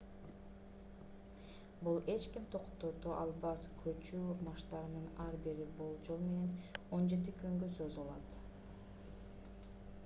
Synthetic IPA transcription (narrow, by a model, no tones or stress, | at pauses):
bulˠe̞t͡ʃkimt̪ʰo̞qt̪ot̪oʔɑlˠbɑskʰøt͡ʃyomɑʃt̪ɑɾɯnɯnɑɾbiɾibolˠd͡ʒo̞lˠme̞ne̞no̞nd͡ʒe̞t̪̬ikʰøŋɡøsozulˠɑ̰t̪